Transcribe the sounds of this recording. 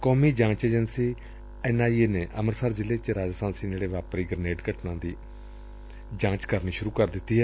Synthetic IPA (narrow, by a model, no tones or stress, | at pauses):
kɔːmiːd͡ʒãːt͡ʃeːd͡ʒənsiː | ɛnaːiːeːneːʔəməɾsaːɾd͡ʒɪleːt͡ʃɾaːd͡ʒast̪ãːnsiːneːɽeːʋaːpɾiːɡəɾneːɖkəʈnãːd̪iː | d͡ʒãːt͡ʃkəɾniːʃʊɾuːkəɾd̪ɪt̪ːiːɦɛː